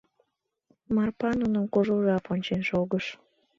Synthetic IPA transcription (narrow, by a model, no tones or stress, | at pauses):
mɑrpɑnunəmkoʒuʒɑponʲt͡ɕenʃoɣəʃ